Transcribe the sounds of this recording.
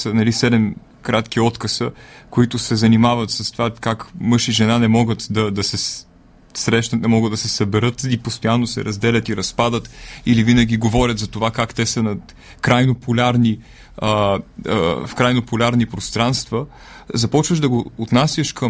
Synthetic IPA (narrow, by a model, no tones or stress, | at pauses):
sənɐlisɛd̪ɛm | kɾat̪kiɔt̪kəsəkoit̪ʊsɛzɐnimavət̪sɐst̪ovakakmɤʃiʒɛnanɛmɔɡət̪d̪ɐd̪ɐsɛ | sɾɛʃnɐət̪nɛmɔɡəd̪d̪ɐsɛsəbɛɾɤt̪ipost̪ojanːosɛ̰ɾɐzd̪ɛlʲət̪iɾɐspad̪ət̪ilivinəɡ̟ʲiɡovɔɾʲət̪zɐt̪ovakakt̪ɛsənɐ | kɾajnopʊlʲaɾni | ə | fkɾajnopʊlʲaɾnipɾost̪ɾanst̪və | zɐpɔt͡ʃvəʒd̪ɐɡoːt̪nasʲjəʃkəm